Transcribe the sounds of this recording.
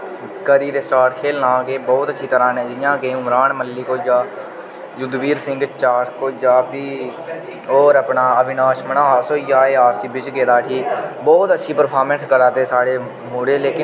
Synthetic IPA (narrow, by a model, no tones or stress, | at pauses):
kəɾiːd̪eːsʈaːɾkʰeːlnãːɡeːbɔːt̪ətːʃʰiːt̪əɾãːnɛ̃ːd͡ʒɪjãːɡeːʊmɾaːɳməlːiːkoːd͡ʒaː | d͡ʒʊd̪ʋiːɾsɪ̃ŋɡt͡ʃaːʈʰkoːd͡ʒaːpiː | oːɾəpnaːəʋɪnaːʃmənaːsoːjaːeːaːsʈiːbɪt͡ʃɡeːd̪aːʈʰiːbɔːt̪ətːʃʰiːpəɾpʰaːɾmɛ̃nskəɾaːt̪eːsaːɽeː | muːɽeːleːkɪ